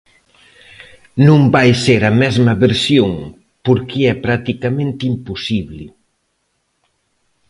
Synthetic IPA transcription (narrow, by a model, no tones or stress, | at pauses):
nũmbajseɾɐmɛzmɐβeɾsjoŋ | poɾkiɛpɾat̪ikamẽnt̪impusiβlɪ